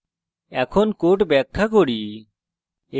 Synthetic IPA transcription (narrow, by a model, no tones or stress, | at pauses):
ɛkʰonkoʈbɛk̚kʰak̬oɽi | e